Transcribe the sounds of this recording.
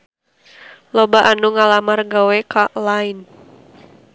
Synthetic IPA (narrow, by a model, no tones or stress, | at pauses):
lɔbaʔanuŋalamarɡawɛkalain